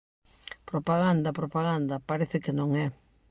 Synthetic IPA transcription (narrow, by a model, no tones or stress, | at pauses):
pɾopaɣand̪ɐpɾopaɣand̪ɐpaɾeθɪkɪnõŋɛ